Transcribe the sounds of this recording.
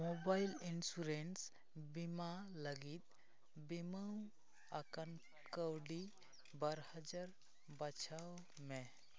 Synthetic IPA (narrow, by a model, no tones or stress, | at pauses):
mobailinsuɾens | bimaləɡit̪ | bimaũ | əkən | kəwɖi | bəɾhəd͡ʒaɾ | bət͡ʃʰaw | me